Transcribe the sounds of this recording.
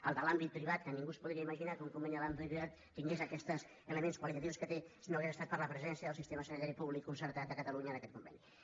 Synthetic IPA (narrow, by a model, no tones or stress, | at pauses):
ə̰lˠd̪əlambit̪̚pːɾiβat̪̚kənĩŋɡuspuðɾiəiməʒinakəuŋkumbɛniðəlambit̪pɾiβat̪ːiŋɡezəkɛst̪əz | ələmenskwəlit̪ət̪iwskət̪esinoɣezəst̪at̪pəɾləpɾəzɛnsjəðəlˠsist̪eməsənit̪aɾipuβlikːunsəɾt̪at̪əkət̪əluɲəːnəkɛt̪kumbɛ̰ni